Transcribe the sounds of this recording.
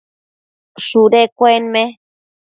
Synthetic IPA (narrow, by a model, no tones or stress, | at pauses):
ʂuɾekʷenme